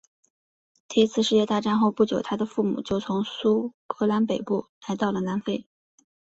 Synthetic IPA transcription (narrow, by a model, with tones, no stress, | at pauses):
t̪i˥˧i˥t͡sʰɹ̩˥˧ʂɻ̩˥˧jɛ˥˧t̪a˥˧ʈ͡ʂa˥˧nxo˥˧ʊpu˥˩t͡ɕjo˨˩ʊt̪ʰa˥d̪ə˨fu˥˩mṵ˨˩t͡ɕjo˥˩ʊt͡sʰʊ˧˥ŋsu˥kɤ˧˥la˧˥npe˨˩ɪpu˥˩la˧˥ɪt̪ɑ˥˩ʊlə˩na˧˥nfe˥˩ɪ